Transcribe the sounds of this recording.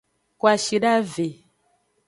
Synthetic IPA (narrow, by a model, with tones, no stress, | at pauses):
kwa˨ʃi˨ɖa˦ve˨